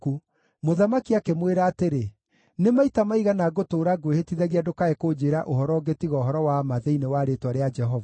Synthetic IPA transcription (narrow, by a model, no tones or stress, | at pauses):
u | moðamakiakemweɾaːteɾe | nemaitamaiɣanaɡotoːɾaɡwehetiðɛɣiadokaekoːd͡ʒeːɾaʔoɦɔɾɔːɡetiɣɔːɦɔɾɔwamaðeinewaɾetwaɾead͡ʒɛɦɔva